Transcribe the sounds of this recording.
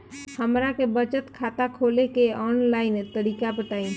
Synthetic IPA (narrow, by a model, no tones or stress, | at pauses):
həmɾakebət͡ʃət̪kʰat̪akʰolekeɔnlaɪnt̪əɽiːkapəʈ̪aːĩ